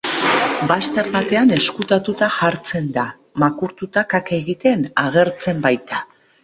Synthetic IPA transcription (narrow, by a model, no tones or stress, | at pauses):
bast̪e̞ɾβat̪e̞ane̞skut̪at̪ut̪aʝaɾt͡se̞nd̪a | makuɾt̪ut̪akake̞ɣit̪e̞naɣ̞e̞ɾt͡se̞mbajt̪a